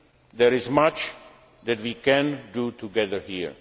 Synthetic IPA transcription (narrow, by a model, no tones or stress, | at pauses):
d̪ɛɹɪzmat͡ʃ | d̪ɛtwikɛ̃ndutuɡɛðə˞hiɹ